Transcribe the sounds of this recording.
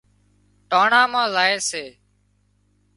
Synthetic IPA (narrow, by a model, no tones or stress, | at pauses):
ʈaːɳãːmãːzaːeːseː